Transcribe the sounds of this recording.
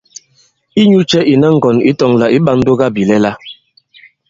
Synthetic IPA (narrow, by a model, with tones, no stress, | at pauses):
i˦ɲu˦t͡ʃɛ˦ʔi˨na˦ŋ̩˨ɡɔ˨nḭ˦tɔ˨ŋla˨ʔi˦ɓa˦n̩˦do˦ɡa˦bi˨lɛ˦la˦